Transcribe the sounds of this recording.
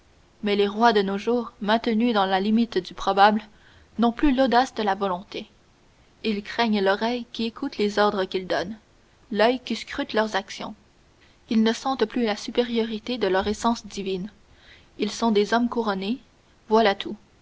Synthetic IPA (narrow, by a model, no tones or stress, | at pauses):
mɛleʁwad̪ənoʒuːʁmɛ̃t̪nyd̪ɑ̃lalimit̪d̪ypχɔbabl | nɔ̃plylod̪asd̪əlavɔlɔ̃t̪e | ilkχɛɲlɔʁɛjkʲiekʰut̪lezɔʁd̪ʁəkʲild̪ɔn | lœjkʲiskʁyt̪lœʁzaksjɔ̃ | ilnəsɑ̃t̪plylasypeʁjɔʁit̪ed̪əlœʁesɑ̃sd̪ivin | ilsɔ̃d̪ezɔmkuʁɔne | vwalat̪ʰu